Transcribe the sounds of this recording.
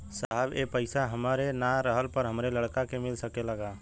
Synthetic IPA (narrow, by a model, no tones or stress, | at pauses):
saɦəbepəɪsaɦəmaːɾenaɾəɦəlpəɾɦəmɾeləɽkakemɪlsəkeləɡaː